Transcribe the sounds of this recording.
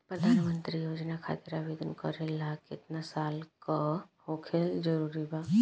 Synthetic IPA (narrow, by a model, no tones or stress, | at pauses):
pɾəd̪ʱaːnmənt̪ɾijoːd͡ʒnakʰa̰ːt̪eɾabed̪ənkəɾelakɪt̪nasaːlkahokʰeld͡ʒəɾuːɾibaː